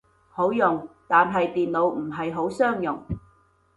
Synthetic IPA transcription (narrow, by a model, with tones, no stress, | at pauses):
ho˨˥wjʊ˨ŋt̪aː˨nɦɐ˨jt̪iː˨nlo˨˧wm̩˨˩ɦɐ˨jɦo˨˥wsœː˥ŋjʊ̰˨˩ŋ